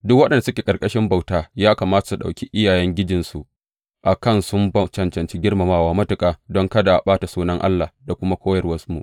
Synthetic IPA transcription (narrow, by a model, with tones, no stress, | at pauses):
dʊ˦kwɐ˦ɗɐ˨nda˨sʊ˦kʲeː˨kʼɐ˨rkʼɐ˦ʃɪ˦mba˦˨wtaː˦jaː˦kaː˨maː˦ta˨su˨ɗa̰˨wkʲi˦ʔɪ˦jaː˨jɛ˦ŋɡʲɪ˦d͡ʒɪ˨nsu˨ʔ | ʔa˨kɐ˦nsʊ˦mbɐ˦t͡ʃɐ˨nt͡ʃɐ˨nt͡ʃi˦ɡʲɪ˦rma˨maː˦waː˦mɐ˦tʊ˨kʼaː˨dɔ˦ŋkɐ˦da˨ʔa˨ɓaː˦ta˨suː˦nɐ˦ŋʔa̰˦lːa˨hda˨kʷʊ˦ma˦kʷoː˦jɐ˨rwɐ˦smṵ˨ʔ